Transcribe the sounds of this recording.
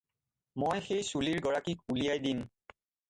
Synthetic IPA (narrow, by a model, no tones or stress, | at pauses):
mojxejsuliɹɡɔɹakik̚ulijajdin